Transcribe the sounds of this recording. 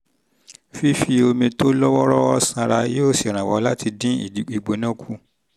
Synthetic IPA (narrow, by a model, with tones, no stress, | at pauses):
fi˦fi˦o˧mĩ˧to˦lɔ˦wɔ˦ɾɔ˦ɔ˦sã˧ɾa˧je˦o˦˨si˨ɾ̃ã˨wɔ̰˧˦la˦ti˧dĩ˦ḭ˦˨di˨i˨ɡ͡bo˨˦nã˦kʰu˦